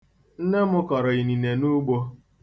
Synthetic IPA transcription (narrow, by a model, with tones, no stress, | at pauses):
n̩˦ne˦mʊ˦kɔ˨ɾɔ˨i˨ni˨ne˨nu˦ɡ͡bo˦